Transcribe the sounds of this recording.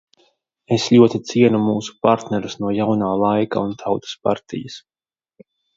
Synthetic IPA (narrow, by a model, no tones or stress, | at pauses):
eslʎʲuɔt̪it̪siɛnumuːsu̥paɾt̪nɛɾusnuɔjawnaːlˠajka̰unt̪ʰawt̪u̥spa̰ɾt̪ḭjas